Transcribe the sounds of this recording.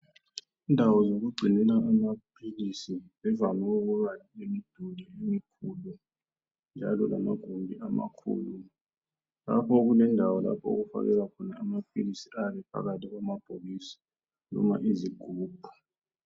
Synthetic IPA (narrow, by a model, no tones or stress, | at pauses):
indʱawɔzoɣuɡ͡ǀʱinɛlaːmapʰilisiβɛvamauɣuβaliemid̥ʱuliemikʰulu | nd͡ʒʱalɔlamaɡ̥ʱuŋbʱiama̰kʰṵːlu | la̰pʰɔɣulɛndʱawɔla̰pʰɔṵɣufa̰ɣɛlakʰɔnaːmap̚ʰilisiʔaβɛpʰa̰ɣatʰiɣwamab̥ʰʱoɣisḁ | nɔ̰ma̰ʔiziɡ̥ʱuːb̥ʱu